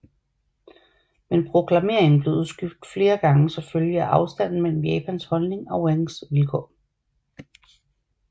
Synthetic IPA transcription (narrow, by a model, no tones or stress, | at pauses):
menpʰʁo̝kʰlɑ̈me̝ɐ̰eŋn̩b̥le̝usɡ̥yfd̥fle̝ːɐɡ̥ɑ̈ŋəsɒ̽føljəæʔɑ̈ʊsd̥æn̰n̩mel̰m̩jɛːpʰænshɒ̽lne̝ŋɒ̽weŋsʋilkʰɒ̰ː